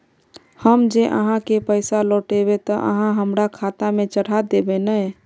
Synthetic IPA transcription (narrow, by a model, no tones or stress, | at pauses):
həmd͡ʒeʔə̰ɦãkepəjsaloʈeβet̪əʔə̰ɦãɦəmɾakʰat̪amet͡ʃəɽ̤ad̪ebenəj